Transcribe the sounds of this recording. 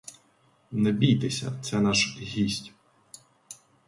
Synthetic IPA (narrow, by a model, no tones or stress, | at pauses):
nɛbʲijt̪esʲɐ̰t̪sɛnɑʃɦʲisʲtʲ